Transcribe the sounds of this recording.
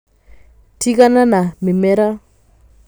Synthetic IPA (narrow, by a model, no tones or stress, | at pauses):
tikananamɪmɛɾa